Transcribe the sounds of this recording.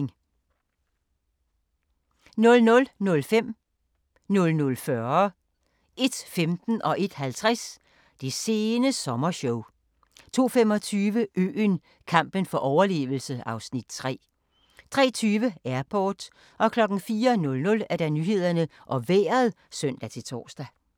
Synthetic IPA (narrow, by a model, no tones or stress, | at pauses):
ŋ | nɔ̽lnɔ̽lnɔ̽lfem̰ | nɔ̽lnɔ̽lfɶɐɐ | ʔe̝d̥femd̥n̩ʔɒ̽ʔe̝d̥hælt͡sʰʁas | d̥e̝se̝ːnəsɒ̽mɐɕɔʊ | t͡sʰo̝̰ːfemɒ̽t͡sʰyːʋəʔø̰ːn | kʰɑ̈m̰b̥ənfɒ̽ʔɒʊɐle̝̰ːʋl̩səɑ̈ʊsnid̥̚t͡sʰʁɛ̰ː | t͡sʰʁɛ̰ːt͡sʰyːʋəæɐpʰɒːd̥ | ʔɒ̽kʰlɒ̽ɡ̥n̩fiːɐnɔ̽lnɔ̽læɐɾ̥ænyːɦe̝ð̞̰ˠɐnəʔɒ̽ʋḛːɐð̩ˠ | sœn̰d̥æt͡sʰe̝t͡sʰɒ̰ːsd̥æ